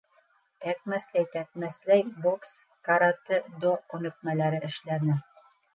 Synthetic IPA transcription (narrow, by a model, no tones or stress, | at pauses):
t̪æk̚mæslæjt̪æk̚mæslæjboks | kaɾat̪ɘd̪okʉnɵ̆k̚mælæɾɘʔɘ̆ʃlænɘ